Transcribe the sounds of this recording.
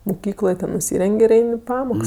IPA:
mʊˈkʲiːklˠoːj tʲɛn nʊˈsʲiːrʲɛŋʲkʲ ɪr ˈɛɪnʲ ɪ ˈpɑːmoːks

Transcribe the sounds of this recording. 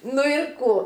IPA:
ˈnʊ ɪr ˈkuː

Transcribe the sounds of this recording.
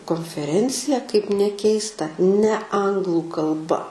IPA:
koːnʲfʲɛˈrʲɛnʲt͡sʲɪjɛ kɐɪp nʲɛˈkʲɛɪstɐ nʲɛ ˈɐŋɡlˠʊ kɐlˠˈbɐ

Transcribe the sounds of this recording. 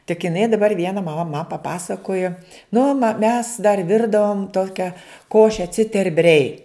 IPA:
tʲɪk ɪˈnɐɪ dɐˈbɐr ˈʋʲiɛnɐ mɐˈmɐ mɐ pɐˈpɑːsɐkoːjoː ˈnʊ mɐ mʲɛs dɐr ˈʋʲɪrdɐʋoːm ˈtoːkʲɛ ˈkoːʃʲɛ t͡sʲɪtʲɛrʲˈbʲrʲɛɪ

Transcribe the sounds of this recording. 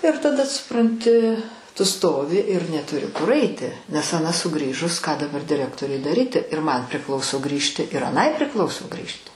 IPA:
ɪr tɐˈdɐ sʊprɐnʲˈtʲɪ tʊ ˈstoːʋʲɪ ɪr nʲɛtʊˈrʲɪ kʊr ɐɪˈtʲɪ nʲɛs ɐˈnɐ sʊˈɡrʲiːʒʊs kɑː dɐˈbɐr dʲɪˈrʲæːktoːrʲʊɪ dɐˈrʲiːtʲɪ ɪr mɐn pʲrʲɪˈklˠɐʊsoː ˈɡrʲiːʃʲtʲɪ ɪr ɐˈnɐɪ pʲrʲɪˈklˠɐʊsoː ˈɡrʲiːʃʲtʲɪ

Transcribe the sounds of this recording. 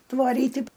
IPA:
tʋɐˈrʲiːtʲɪ

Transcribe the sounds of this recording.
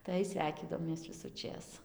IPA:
tɐɪ ˈsʲʋʲɛɪkʲiːdɐʋoːmʲeːs ʋʲɪsʊˈt͡ʃʲeːs

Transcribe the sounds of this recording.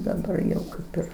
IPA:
dɐˈbɐr jɛʊ ˈkɐɪp ɪr

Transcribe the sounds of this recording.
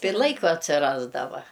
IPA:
ˈtɐɪ ɪr ˈlˠɐɪkoː ɐtʲsʲɪˈrɑːzdɐʋɐ

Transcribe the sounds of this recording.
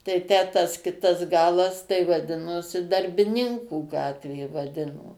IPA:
tɐɪ ˈtʲæː tɐs ˈkʲɪtɐs ˈɡɑːlˠɐs tɐɪ ʋɐˈdʲɪnoːsʲɪ dɐrʲbʲɪˈnʲɪŋkuː ˈɡɑːtʲʋʲeː ʋɐˈdʲɪnoː

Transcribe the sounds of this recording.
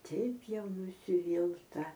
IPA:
ˈtʲɛɪp ˈjɛʊ nʊsʲɪˈʋʲiːlˠtɐ

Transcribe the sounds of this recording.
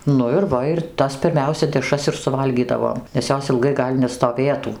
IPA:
ˈnʊ ɪr ˈʋɐ ɪr ˈtɐs pʲɪrʲˈmʲɛʊsʲɛ dʲɛˈʃrɐs ɪr sʊˈʋɐlʲɡʲiːdɐʋoːm nʲɛs ˈjoːs ɪlˠˈɡɐɪ ˈɡɐlʲ nʲɛstoːˈʋʲeːtuː

